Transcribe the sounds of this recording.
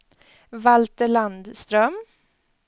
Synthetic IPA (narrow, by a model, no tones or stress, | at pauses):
valt̪əɭand̪st̪ɾœm